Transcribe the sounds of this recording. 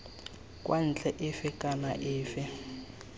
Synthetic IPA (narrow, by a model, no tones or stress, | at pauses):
kʼwʔan̩t͡ɬʼɛʔɪfɪkʼanaʔɪːfɪ